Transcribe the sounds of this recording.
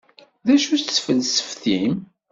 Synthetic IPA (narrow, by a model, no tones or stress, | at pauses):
ðæʃussfəlsə̥fθim